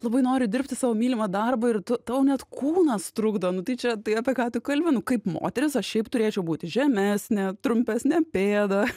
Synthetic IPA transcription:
lˠɐbɐɪnoːɾʲɪd̪ʲɪɾʲpʲt̪ʲɪsɑːʋoːmʲiːlʲɪmɐd̪ɐrbɐɪrt̪ʊt̪ɑʊnʲɛt̪kuːnɐst̪ɾʊɡd̪ɐnʊt̪ɐɪt͡ʃʲɛt̪ɐɪɐpʲiɛkɑːt̪ʊkɐlʲʋʲɪnʊkɐɪpmo̰ːt̪ʲɛɾʲɪsɐʃʃʲɛɪpt̪ʊɾʲeːt͡ʃʲɛʊbuːt̪ʲɪʒʲɛmʲæsʲnʲɛt̪ɾʊmʲpʲæsʲnʲɛpʲeːd̪ɐ

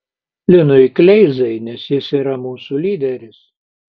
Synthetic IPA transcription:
lʲɪnʊɪklʲɛɪzɐɪnʲɛsjɪsiːɾɐmuːsulʲiːd̪ʲɛɾʲɪs

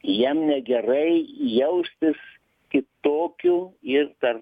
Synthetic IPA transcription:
jiɛmnʲɛɡʲɛrɐɪjɛʊsʲt̪ʲɪs | kʲɪt̪oːkʲuːɪrt̪ɐr

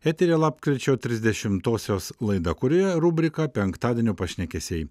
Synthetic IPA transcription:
æt̪ʲeɾʲeːlˠɑːpkɾʲɪt͡ʃʲoːt̪ʲɾʲɪzʲd̪ʲɛʃʲɪmt̪oːsʲoːslˠɐɪd̪ɐkʊɾʲoːjɛɾuːbʲɾʲɪkɐpʲɛŋkt̪ɑːd̪ʲeːnʲuːpɐʃʲnʲɛkʲɛsʲɛɪ

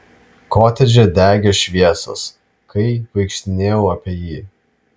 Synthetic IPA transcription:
koːt̪ʲɛd͡ʒʲɛd̪ʲæːɡʲoːʃʲʋʲiɛso̰ːs | kɐɪʋɐɪkʃʲt̪ʲɪnʲeːjɛʊɐpʲeɛjiː

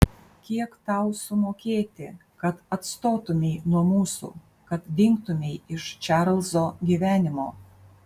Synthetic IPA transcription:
kʲiɛkt̪ɐʊsʊmoːkʲeːt̪ʲɪkɐt̪ɐt̪st̪oːt̪ʊmʲɛɪnuɔmuːsṵː | kɐt̪d̪ʲɪŋkt̪ʊmʲɛɪɪʃt͡ʃʲæːɾlˠzoːɡʲiːʋʲæːnʲɪmoː

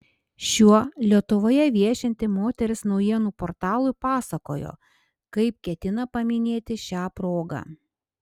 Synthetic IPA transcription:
ʃʲuɔlʲiɛt̪ʊʋoːjɛʋʲiɛʃʲɛnʲt̪ʲɪmoːt̪ʲɛɾʲɪsnɒʊjiɛnuːpoɾt̪ɑːlˠʊɪpɑːsɐko̰ːjo̰ː | kɐɪp̚kʲɛt̪ʲɪnɐpɐmʲɪnʲeːt̪ʲɪʃʲɑːpɾoːɡɑ̰ː

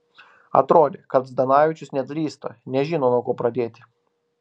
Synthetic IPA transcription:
ɐ̰t̪ɾoːd̪ʲekɐt̪zd̪ɐnɑːʋʲɪt͡ʃʲʊsnʲɛt̪ʲlʲiːst̪ɐ̰nʲɛʒʲɪnoːnoːkoːpɾɐd̪ʲeːt̪ʲɪ

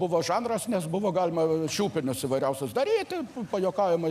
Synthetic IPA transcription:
bʊʋoːʒɑːnrɐsnʲɛsbʊʋoːɡɑːlʲɪmɐʃʲuːpʲɪnʲʊsiʋɐɪɾʲɛʊsʲʊsd̪ɐɾʲiːt̪ʲɪpɐjoːkɑːʋʲɪmɐ

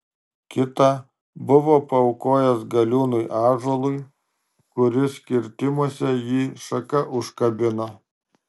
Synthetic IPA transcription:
kʲɪt̪ɐ | bʊʋoːpɐʊkoːjɛsɡɐlʲuːnʊjʔɑːʒoːlˠʊɪ | kʊɾʲɪsʲkʲɪɾʲt̪ʲɪmɔsʲɛjiːʃɐkɐʔʊʃkɐbʲɪnoː

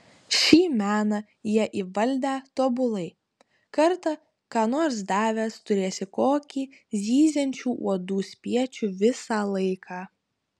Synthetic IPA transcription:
ʃʲiːmʲæːnɐ | jiɛʔiːʋɐlʲd̪ʲæːt̪oːbʊlˠɐɪ | kɐɾt̪ɐ | kɑːnoːɾsd̪ɑːʋʲæst̪ʊɾʲeːsʲɪkoːkʲiː | zʲiːzʲɛnʲt͡ʃʲuːʔṵɔd̪uːsʲpʲiɛt͡ʃʲuʋʲɪsɑːlˠɐɪkʰɑː

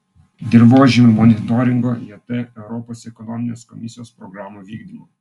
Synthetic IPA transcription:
d̪ʲɪɾboːʒʲɪmmɔnʲɪt̪ɔɾʲɪŋɡojɛt̪ɛɛʊɾɔpoːsɛkɔnɔmʲɪnʲeːskɔmʲɪsʲɪjoːspɾɔɡɾaːmuʋʲiːɡd̪ʲiːmo

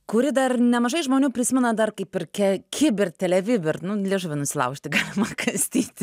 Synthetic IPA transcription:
kʊɾʲɪd̪ɐrnʲɛmɐʒɐɪʒmoːnʲuːpʲɾʲɪsʲɪmʲɛnɐd̪ɐrkɐɪpɪrkʲɛkʲʰɪbʲɪrt̪ʲɛlʲɛʋʲɪbʲɪrnʊlʲeːʒʊʋʲɪnʊsʲɪlˠɐ̰ʊkʃʲt̪ʲɪɡɑːlʲɪmɐkʰɐsʲt̪ʲiːt̪ʲ

